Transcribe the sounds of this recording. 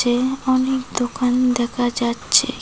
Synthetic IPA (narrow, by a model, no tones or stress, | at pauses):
eɔnek̚d̪okand̪ɛkʰad͡ʑatːɕʰḛ